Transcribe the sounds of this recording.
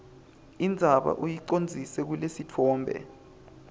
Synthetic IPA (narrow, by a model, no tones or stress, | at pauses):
ind͡zʱaɓa̰ʔujiǀond͡zʱisɛk̬ulesitʰɔːmbʱɛ̰